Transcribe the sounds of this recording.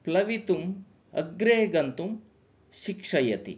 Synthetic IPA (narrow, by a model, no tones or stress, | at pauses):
plɐʋit̪um | ɐ̰ɡɾeːɡɐnt̪um | ʃikʂɐjɐt̪ḭ